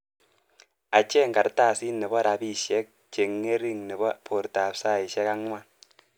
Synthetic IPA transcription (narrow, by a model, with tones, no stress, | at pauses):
a˨t͡ʃe˦ŋka˨ɾtaː˦˨si˦nːɪ˨βɔ˦ɾa˨bi˦˨ʃɛ˦k̚t͡ʃe˨ŋːe˦ɾi˦ŋnɪ˨bɔ˦pʰo˨ɾta˨psa˦i˨ʃɛ˦ka˦ŋ˦a˦˨